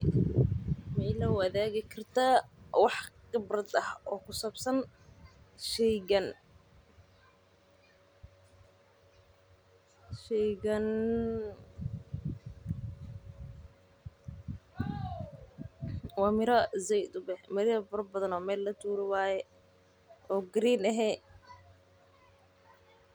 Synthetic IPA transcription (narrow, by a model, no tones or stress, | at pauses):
mɛjlɐʊɐðɛːɣɪkʰɪrt̪ʰawɑħqɪbrɐd̪ɐhɔːkʰʊsɐbsɐn | ʃɛjɡɐn | ʃɛjɡɐn | waːmɪɾɐzɛjd̪ʊbɛhmɐɾɪjɐbɐɾɐbɐðɐnɔːmɛːlːɐt̪ʰuːɾɪwaːjɛ | ʔɔːɡɾiːnɛɦɛ